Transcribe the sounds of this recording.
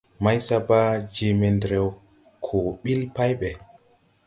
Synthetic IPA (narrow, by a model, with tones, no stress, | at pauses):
ma˦jsa˦ba˦d͡ʒe˨me˨ndɾe˨w | kʰo˨ɓi˦lpa˦jɓɛ˨